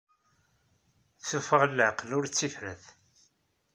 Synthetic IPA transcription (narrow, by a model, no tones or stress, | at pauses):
θufəʁlːəqlʊɾt͡sːifɾæθ